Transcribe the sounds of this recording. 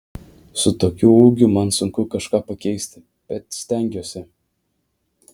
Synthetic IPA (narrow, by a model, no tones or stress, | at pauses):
sʊt̪oːkʲuːuːɡʲʊmɐnsʊŋkʊkɐʃkɑːpɐkʲɛɪsʲt̪ʲɪ | b̥ʲɛt̪sʲt̪ʲæˑŋʲɡʲoːsʲɪ